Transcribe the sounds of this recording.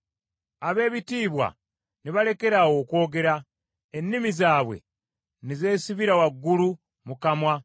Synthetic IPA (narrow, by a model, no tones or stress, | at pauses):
aβe̞ːβitiːβwa̰ | niβale̞ke̞ɾawo̞ːkwo̞ːɡe̞ɾa | enːimizaːβwe̞̰ | nize̞ːsiβiɾawaɡːulu | mukamwa